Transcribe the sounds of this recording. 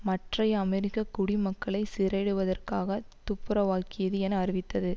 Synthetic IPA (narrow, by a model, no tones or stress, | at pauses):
mɐʈrɐjɐɐmɛɾɪkːɐkʊɽimɐkːɐɭɐɪsɪɾɐɽɯʋɐðɐrkaːɣɐt̪ʊpːɯɾɐʋaːkɪjɐðɯɛnɐːɾɪʋɪt̪ːɐðɯ